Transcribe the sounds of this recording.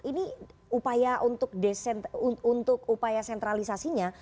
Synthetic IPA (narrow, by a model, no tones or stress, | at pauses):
iniupajaʔunt̪ʊk̚desɛnunt̪ʊkupajasɛnt̪ɾalisasiɲa